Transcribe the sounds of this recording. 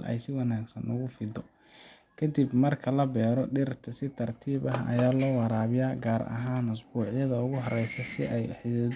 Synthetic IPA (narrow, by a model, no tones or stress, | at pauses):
lʔɛ̰jsɪwɑnaːɡsɐnʔʊɣʊfɪd̪ɔ | kʰɐd̪ibmɐrkʰɐlɐbɛːɾɔɖɪrt̪ʰɐsɪt̪ʰɐrt̪ʰiːβɐɦɐ̰jaːlɔːwɑɾaːβɪjaːɡaːɾɐ̰ɦaːnʊsbuːʕɪjɐðɐʊɣʊɦɐrɛjsɛsɪʔɛjħɪɐ